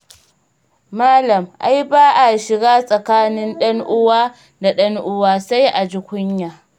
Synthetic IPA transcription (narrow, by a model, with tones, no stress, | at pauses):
maː˦lɐ˨mʔa˦jbaː˦ʔa˨ʃɪ˨ɡaː˦sʼɐ˨kaː˦nɪ˦nɗɐ˦ŋʔʊ˦waː˦ | da˨ɗɐ˦ŋʔʊ˦waː˦sa˦jʔa˨d͡ʒɪ˦kʷʊ˦ɲjaː˨